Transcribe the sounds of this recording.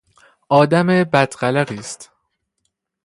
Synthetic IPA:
ʔɒːd̪æmebæd̪ɢælæɣiːst̪

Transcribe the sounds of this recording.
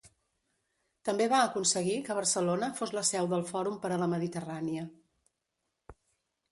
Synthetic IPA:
t̪əmbeβaəkunsəɣ̞ikəβ̞əɾsəlonəfozləsɛwðəlˠfɔɾumpəɾələməðit̪əraniə

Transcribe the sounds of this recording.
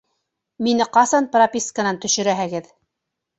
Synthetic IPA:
minɘqɑsɑnpropʲiskənɑnt̪ɵ̆ʃɵ̆ɾæɦɘɡɘð

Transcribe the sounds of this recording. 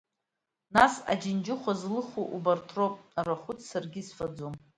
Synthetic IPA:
nasa̰d͡ʒɪnd͡ʒɪχʷazlɨχuʔubartʰropʼaraχʷʊt͡sʰsarɡʲisfad͡zom

